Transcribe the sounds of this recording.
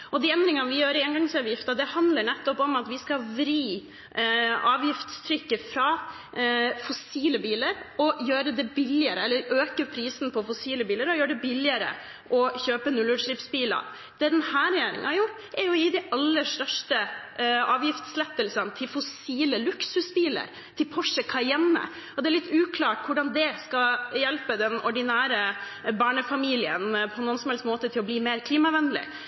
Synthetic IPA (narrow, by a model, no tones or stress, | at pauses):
ʔɔd̪ɪɛnd̪ɾɪŋɑʋɪjøːɾeːnɡɑŋsɑːʋjɪft̪ɑd̪ɛhɑnd̪ləɾɳɛt̪ːɔpɔmɑt̪ʋɪskɑʋɾiː | ʔɑːʋjɪft̪st̪ʰɾʏkːəfɾɑ | fɔsiːləbiːləɾɔjøːɾəd̪ɛbɪlɪəɾəɛlːəɾøːkəpʰɾiːsn̩pʰɔfɔsiːləbiːləɾɔjøːəɖɛbɪlːɪəɾə̰ | ʔɔçøːpənʉlːʉːʂlɪpsbiːlɑ̰ | d̪̥ɛd̪ɛnhæːɾɛjeːɾɪ̰ŋə̰nhɑɾjʊʈːɛɾjʊɪd̪ɛʔɑlːəʂt̪œʂʈə | ɑːʋjɪft̪slɛt̪ːəlsənt̪ʰɪlfɔsiːləlʉksʉsbiːlə̰ɾ | t̪ʰɪlpʰɔʂːəkʰɑːɛɾjɛmːə̰ | ɔd̪ɛæɾɭɪt̪ːʉːkʰlɑːʈkʰʊɖɑnd̪ɛskɑjɛlpəd̪ɛnɔɖɪnæːɾəbɑːɳəfɑmiːlɪənpʰɔɛnɔnsɔmhɛlst̪moːt̪ət̪ʰɪlɔbliːmeːɾkʰliːmɑʋɛnlɪ̰